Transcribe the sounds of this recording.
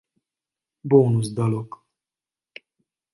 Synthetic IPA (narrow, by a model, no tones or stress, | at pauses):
boːnuzd̪ɒlok